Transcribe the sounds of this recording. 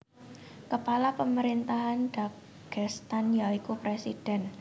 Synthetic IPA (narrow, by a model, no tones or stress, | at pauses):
kəpalapəməɾint̪aɦanɖ̥a | ɡ̥ɛst̪anjaikupɾesid̥ɛn